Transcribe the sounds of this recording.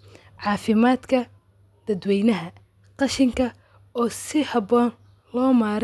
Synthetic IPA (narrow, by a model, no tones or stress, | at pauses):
ʕɑːfɪmaːd̪kʰɐ | d̪̥ɐd̪wɛjnɐɦɐ | qɑʃɪŋkʰɐ | ɔːsɪhɑbɔːn | lɔːmaːɾ